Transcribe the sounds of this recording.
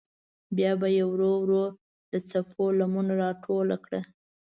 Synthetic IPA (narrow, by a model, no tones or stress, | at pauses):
bjɑbajawɾowɾoɾ | d̪̥ət͡sapʰolamunaɾɑʈʰolakɽə